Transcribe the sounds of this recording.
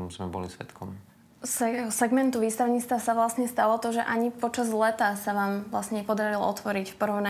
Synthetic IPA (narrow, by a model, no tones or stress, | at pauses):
zmɛbɔ̰lisʋɛ̰t̪kʰɔm | sɛsɛɡmɛnt̪uʋiːst̪aʊɲit͡st̪ʋasaʋlasɲɛst̪alɔt̪ɔʒɛ̰ʔaɲipɔt͡ʃazlɛt̪asaʋaːmʋlasɲɛɲɛpɔd̪aɾilɔɔ̰t̪ʋɔɾicfpɔɾɔʊna